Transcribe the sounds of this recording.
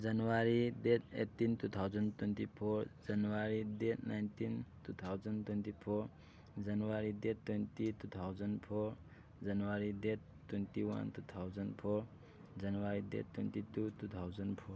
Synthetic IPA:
d͡zʌnwaɾid̪et̪ḛt̪ːint̪ut̪ʰawd͡zʌnt̪went̪ipʰoɾd͡zʌnwaɾid̪etnajnt̪int̪ut̪ʰawd͡zʌnt̪went̪ipʰoɾ | d͡zʌnʌwaɾid̪et̪ːwent̪it̪ut̪ʰawd͡zʌnpʰoɾ | d͡zʌnwaɾid̪et̪ | tːwent̪iwa̰nt̪ut̪ʰawd͡zʌnpʰor | d͡zʌnwaɾid̪ḛt̪went̪id̪ut̪ut̪ʰawd͡zʌnpʰoɾ

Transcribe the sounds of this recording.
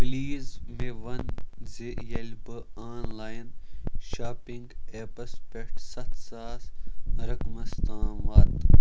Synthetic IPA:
pliːzʋeʋɐnzejɐlbɐaːnlaːjnʃaːpĩŋɡepɐspekʈsɐt̪saːsɾɐkmɐst̪ãːʋaːt̪

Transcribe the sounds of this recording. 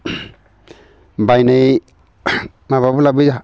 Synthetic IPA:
bajnej | maβabulabiza

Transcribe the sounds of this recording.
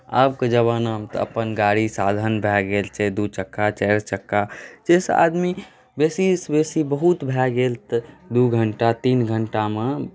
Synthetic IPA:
ə̰bked͡ʒəβanamt̪əə̰pənɡaɽisad̪ʱənbʱɛɡelt͡ʃʰɛd̪ut͡ʃəkːat͡ʃɛɾt͡ʃəkːad͡ʒesa̰d̪mi | besisbesibəɦut̪bʱɛɡelt̪d̪uɡʱəɳʈat̪inɡʱəɳʈame

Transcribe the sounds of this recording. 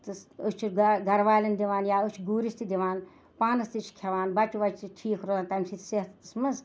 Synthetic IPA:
t̪ɨsot͡ʃʰuɾɡɡɐɾʋaːlɐnd̪iʋaːnjaːut͡ʃʰɡuːɾist̪id̪iʋaːn | paːnɐst̪it͡ʃʰkʲʰɐʋaːnbɐt͡ʃuʋɐt͡ʃʰt͡ʃiʈʰiːkʰɾoant̪ɐmʲsit̪ʰʲseɦt̪t̪ɨsmɐz

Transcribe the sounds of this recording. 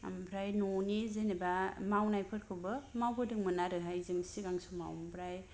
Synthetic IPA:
a̰mpʰɾajnɔnizenebamawnajpʰɯɾkʰɯbɯmawbɯdɯŋmɯnaɾɯɦajzimsiɡaŋsuma̰wmbʰɾaj

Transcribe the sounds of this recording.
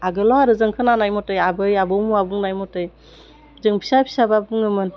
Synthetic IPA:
aɡɯlɔaɾɯzɯŋkʰɯnanajmɔtɯjabɯjabɯwmuabuŋnajmɔtɯj | zɯŋpʰi̥sajpʰi̥sababuŋɯmɯn

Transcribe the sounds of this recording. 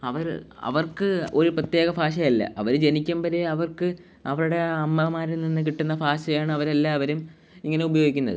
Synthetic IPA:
ɐʋɐɾ̰ɐ̰ʋɐrkɨo̞ɾuprɐt̪jeːɣɐfaːɕ̬ɐjɐlːɐ̰ʔɐʋɐɾd͡ʑe̞nikʲːɐmbɐɾeɐʋɐrkɨ | ɐʋɐɾuɽe̞ɐmːɐmaːɾilninːɨk̬iʈːunːɐfaːɕɐjaːɳɨɐʋɐɾelːaːʋɐɾum | iŋːɐne̞ubɐjo̞ːɡikʲːunːɐ̰ðɨ̰

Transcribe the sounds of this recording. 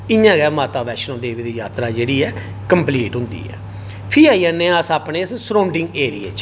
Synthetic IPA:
ɪjãːɡɛːmaːt̪aːʋɛːʃnõːd̪eːʋiːd̪iːjaːt̪ɾaːd͡ʒeːɽiːɛː | kəmpliːʈɦʊ̃nd̪ḭːɛ̰ː | pʰiːaːianːẽːəsaːpneːssɾõːɳɖɪ̃ŋɡeːɾiḛːt͡ʃ

